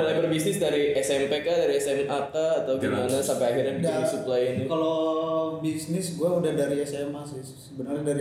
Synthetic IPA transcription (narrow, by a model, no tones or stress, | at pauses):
əlajbərbisnɪsdaɾiɛsɛmpekadaɾiɛsɛmat̪aːt̪awɡimanasampeahiɾandisuplajinikalobisnɪsɡuaudahdaɾiɛsɛmasɪ | səbənarɲadaɾi